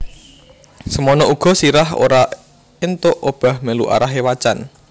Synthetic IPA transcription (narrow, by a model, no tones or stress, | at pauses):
səmɔnɔuɡ̥ɔ̤siɾaɦo̰ɾa | ɪnt̪ʊʔob̥a̤hməlṵʔa̰ɾaɦewat͡ʃan